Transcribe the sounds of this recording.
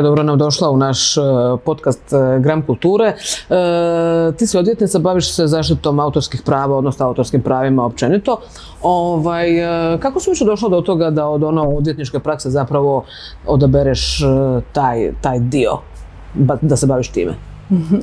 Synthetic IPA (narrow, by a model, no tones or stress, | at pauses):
d̪obɾonamd̪o̞ʃlaunaʃpo̞t̪kast̪ɡɾamkulˠt̪uːɾe̞ | t̪iːsio̞d̪ʋjet̪nit̪abaʋiʃsezaːʃt̪it̪o̞maut̪oɾskixpɾaːʋao̞d̪nosnoaut̪o̞ɾskimpɾaːʋimaop̚t͡ʃe̞nit̪o̞ | oʋajkakosiʋit͡ʃed̪o̞ʃlad̪ot̪o̞ɡad̪aod̪onood̪ʋje̞t̪nit͡ʃke̞pɾaksezapɾaʋo̞ | od̪abeɾeʃt̪aːjt̪aːjd̪io̞̰ | bad̪asebaːʋiʃt̪ḭːmḛ